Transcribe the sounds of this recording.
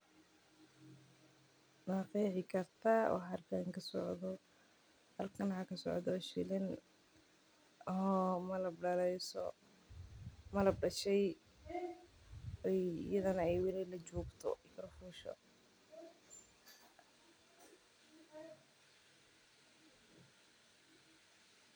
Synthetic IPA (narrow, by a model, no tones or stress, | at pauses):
naːqiːħɪkʰɐrt̪ʰawɑ̰ħɐrkʰɐŋkʰɐsɔ̰ʕðɔ | hɐlkʰɐnhakʰɐsɔ̰ʕd̪ɔʃɪlɪn | ɦɔmɐlɐbɖɐlɛjsɔ̰ | mɐlɐbɖɐʃɛj | ɛjjɐðɐnɐɛjwɪlɛlɐt͡ʃuːɡt̪ʰɔ̰kɐɾɐfuːʃɔ̰